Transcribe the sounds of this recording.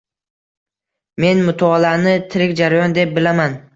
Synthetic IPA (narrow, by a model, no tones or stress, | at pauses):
me̞nmʊt̪ʰɒːlanɪt̪ʰɪɾɪkʲd͡ʒaɾajɒnd̪e̞p̚bɪlaman